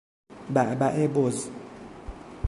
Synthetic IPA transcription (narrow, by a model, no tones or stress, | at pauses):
babaʔeboz